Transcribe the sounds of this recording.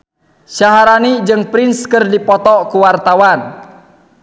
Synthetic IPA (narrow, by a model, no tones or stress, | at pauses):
ʃaɦaɾanid͡ʒɨŋpɾinskərdipɔt̪ɔkuwart̪awan